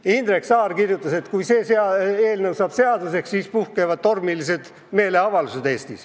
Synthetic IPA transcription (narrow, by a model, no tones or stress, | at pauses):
ind̪ɾe̞ksɑːrkirjut̪ːˑɑse̞t̪kujse̞ːseɑeːlnɤwsɑːb̥se̞ɑd̪use̞kssiːspuhkevɑd̪̥̚t̪o̞rmilise̞d̪̥ | me̞ːle̞ɑvɑluse̞d̪eːst̪is